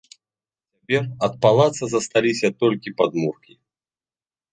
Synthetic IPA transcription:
t͡sʲapʲɛrɐt̪̚palˠat̪sɐzɐst̪alʲisʲɐt̪ɔlʲkʲipad̪murkʲi

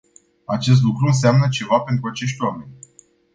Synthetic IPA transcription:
at͡ʃe̞s̬t̪lukɾuɨns̬eamnət͡ʃe̞vape̞nt̪ɾuat͡ʃe̞ʃ̬ʲt̪ʲwame̞nʲ

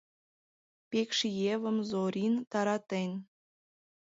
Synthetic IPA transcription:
pʲekʃjeβə̆mzoɾʲint̪ɑɾɑt̪en

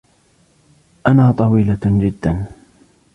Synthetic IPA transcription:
ʔanaːt̪ˤɑwiːlad͡ʒɪd̪ːan

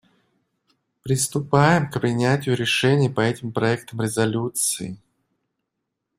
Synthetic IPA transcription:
pɾʲɪst̪ʊpajɪmkpɾʲɪnʲætʲɪjʊɾʲɪʂɛnʲɪjpɐɛtʲɪmpɾɐɛk̚t̪əmɾʲɪzɐlʲut̪sɨ̰ɪ

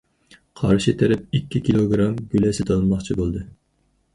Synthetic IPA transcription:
qʰɑ̰ɾʃit̪ʰɛɾɛp̚ikʲːikʲʰilˠoɡɾɑmɡʲylɛsɪt̪ʰɑnmɑχt͡ʃʰibolˠd̪ɨ

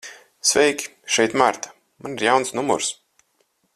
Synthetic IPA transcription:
svʲɛjkʲi̥ʃɛjt̪maɾt̪ḁ | maniɾjawnsnumṵɾs

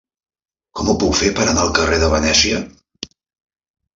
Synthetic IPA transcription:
kɔmupukfepəɾənalˠkəreðəβənɛsiə

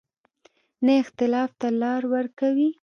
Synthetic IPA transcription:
naɪxt̪ɪlɑft̪alɑɾwəɾkawi

